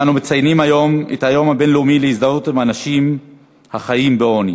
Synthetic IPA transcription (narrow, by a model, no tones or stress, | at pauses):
anumet͡sajnimajo̞mḛthajo̞mhabe̞nleumilehizdaʁutimanaʃim | haχajimbeo̞nja